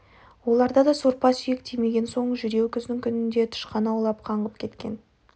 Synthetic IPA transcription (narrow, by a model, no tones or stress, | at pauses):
wo̞lˠɑɾd̪ɑd̪ɑsoɾpɑsʏjekt̪ʰijme̞ɡʲe̞nso̞ɴʒʏɾe̞wkʲʰʏzd̪ɪŋkʲʰʏnɪnd̪e̞t̪ʰʊ̥ʃqɑnɑwlˠɑp̚qʰɑɴʁəp̚kʲʰe̞t̪kʲe̞n